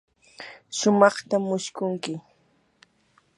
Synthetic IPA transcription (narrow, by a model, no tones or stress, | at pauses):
ʃʊmɑχt̪amːʊʃkʊŋkɪ